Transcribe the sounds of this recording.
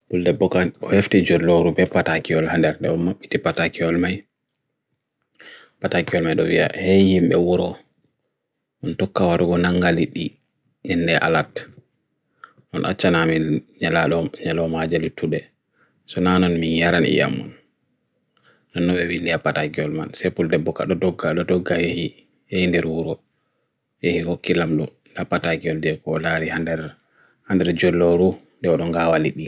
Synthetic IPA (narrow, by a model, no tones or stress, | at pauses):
buldɛbɔkanɔheftid͡ʒoɾloɾubɛpatakiɔlhandɛɾɗɛ̰ɔmaɓːitipatakiɔlmaj | patakiɔlmajɗɔwia̰hejimɓɛwɔɾɔ | ʔɔntɔkːawaɾuɡɔnaŋɡaliɗi | nɛndɛʔa̰lat | ʔɔnʔa̰t͡ʃːanamiɲalaɗɔɲalɔmad͡ʒalitʰuɗɛ | sɔnanɔnminjaɾanḭja̰mːɔ̰n | nanːɔɓɛwilːiapːataɡiɔlma̰nsɛpuldɛbːɔka̰ɗɔdɔɡːaɗɔdɔɡajehi | jehindɛɾwuɾɔ | jehihokːilamɗɔ̰ | dapataɡiɔldɛkɔːlaɾihandɛɾ | handɛɾd͡ʒɔlːɔɾundɛɔɗɔŋɡawaliɗi